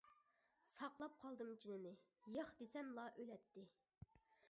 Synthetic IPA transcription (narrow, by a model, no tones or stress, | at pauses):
sɑqlˠɑp̚qʰɑlˠd̪ɨmd͡ʒinɪnɪjɑχd̪esɛmlˠɑʔølɛt̪ʰːɪ